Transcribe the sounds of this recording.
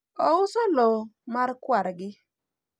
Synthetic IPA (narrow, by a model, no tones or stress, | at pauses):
ɔʊsɔlomarkwaɾɡɪ